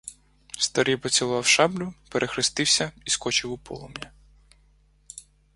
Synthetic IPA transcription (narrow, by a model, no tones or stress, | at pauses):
st̪ɐɾijpɔt͡sʲilˠɑwʃɑblʲʊpeɾʔexɾɪst̪ɪwsʲɐiskɔt͡ʃɪwʊpɔ̰lˠɔmjʲɐ